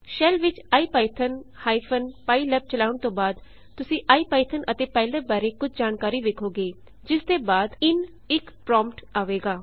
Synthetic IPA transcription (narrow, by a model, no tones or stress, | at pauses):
ʃɛːlʋɪt͡ʃaːiːpaːɪt̪ʰənhaːipʰənpaːiːlɛːb̚t͡ʃəlaːʊɳt̪õːbaːd̪ | t̪ʊsĩːʔaːiːpaːɪt̪ʰənʔət̪eːpɛ̃ːld̪ẽːbaːɾeːkʊd͡ʒd͡ʒaːnkaːɾiːʋekʰoːɡeː | d͡ʒɪsd̪eːbaːd̪ɪn | ɪkpɾɔ̃ːmpʈaːʋeːɡaː